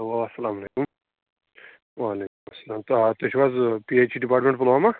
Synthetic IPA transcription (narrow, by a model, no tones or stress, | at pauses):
ʋaʋasɐlaːmɐleːkum | ʋaːleːkumɐsːɐlaːmt̪ɐt̪ot͡ʃʰiʋazpiet͡ʃʰiɖipaːʈmẽɳʈpɐloɦama